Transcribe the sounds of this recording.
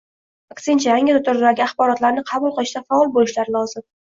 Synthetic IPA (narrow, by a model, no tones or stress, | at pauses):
akʲsɪnt͡ʃʰajaŋʲɪɾʊt̪ʰʊɾɪd̪aɡʲɪaχbɒɾɒt̪laɾnɪqʰɑbʊlˠqɨlˠɪʃd̪afaɒlˠbolɪʃlaɾɪlˠɒzɪm